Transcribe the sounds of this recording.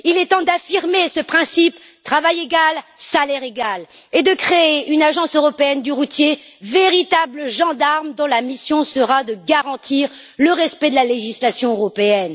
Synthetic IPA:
ilɛt̪ɑ̃d̪afiʁmesəpχɛ̃sip | t̪χavajeɡalsalɛʁeɡal | ed̪əkχeeynaʒɑ̃søʁɔpeɛnd̪yʁut̪jeveʁit̪abləʒɑ̃d̪aʁmd̪ɔ̃lamisjɔ̃səʁad̪əɡaʁɑ̃t̪ʰiʁ | ləʁɛspɛd̪əlaleʒislasjɔ̃øʁɔpeɛn

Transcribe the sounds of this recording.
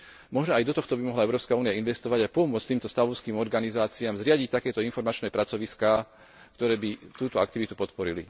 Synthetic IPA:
mɔʒnɔajd̪ɔt̪ɔxt̪ɔbimɔɦlaɛʊɾɔːpskauːnijainʋɛst̪ɔʋaɟapɔmʊɔt͡st̪iːmt̪ɔst̪aʋɔʊskiːmɔɾɡanizaːt͡siaːmzɾɪaɟic̚t̪akɛːt̪ɔinfɔɾmat͡ʃnɛːpɾat͡sɔʋiskaː | kt̪ɔɾɛːbit̪uːt̪ɔakt̪iʋit̪upɔt̪pɔɾilḭ

